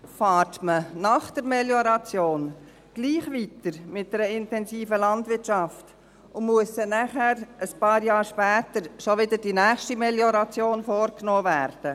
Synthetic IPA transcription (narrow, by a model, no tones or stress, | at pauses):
fɑːɾtmənɑχd̥əɾmɛljoɾɑt͡sjoːn | ɡ̥liːχʋitəɾmɪt̚d̥ɛɾəɪntɛnsiːfəlɑndʋɪtʃɑft | ʊmuəsɛnæχæɾəspɑːɾjɑːɾʃpæːtəɾʃoʋɪdəd̥inæːχʃtimɛljoɾɑt͡sjoːnfoːɾknoːvæːɾd̥ə